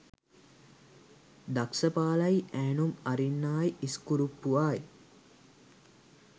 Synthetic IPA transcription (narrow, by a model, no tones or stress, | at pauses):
d̪aksəpaːlɐjæːnumaɾinːaːjiskuɾupːuʋaːj